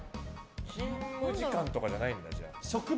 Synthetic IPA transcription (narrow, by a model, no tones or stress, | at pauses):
kʲʰĩmːɯ̟ʑikãnt̪o̞kaʑanaĩnd̪ad͡ʑa̰ɕokɯ̟b